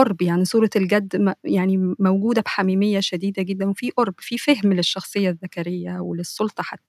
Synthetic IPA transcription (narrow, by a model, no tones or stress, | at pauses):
ʔoɾˤbjaʕnisˤuːɾˤɑelɡæd̪ːjaʕnimæwɡuːd̪æbħamiːmejːæʃæd̪iːd̪æɡed̪ːænwefiːʔoɾˤbfifehmleʃːɑxsˤejːɑðːækæɾejːæwelesˤːolt̪ˤɑħat̪ːæ